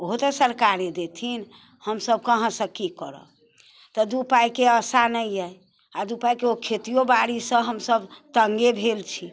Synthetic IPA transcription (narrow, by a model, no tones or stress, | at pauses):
oɦot̪əsəɾkaɾed̪et̪ʰin | həmsəb̚kəɦə̃sə̃kːikəɾə̰ | t̪ɔd̪upajkeəsanəjəj | ad̪upajkeokʰet̪ijobaɽisə̃ɦəmsəbt̪əŋɡebʱelt͡ʃʰi